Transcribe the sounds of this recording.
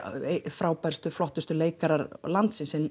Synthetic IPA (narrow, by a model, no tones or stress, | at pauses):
fɾaːwpɛɾ̥st̪ʏflɔht̪ʏst̪ʏleːjkaɾaɾlant̪sɪnsɛn